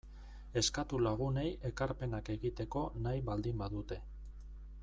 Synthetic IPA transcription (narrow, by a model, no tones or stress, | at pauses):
e̞skat̪ulaɣ̞une̞jʔe̞kaɾpe̞nake̞ɣit̪e̞ko̞najβald̪imbaðut̪e̞